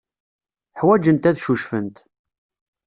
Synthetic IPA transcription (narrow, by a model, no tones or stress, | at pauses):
ħwæd͡ʒənt̪æðʃuʃfə̰nt̪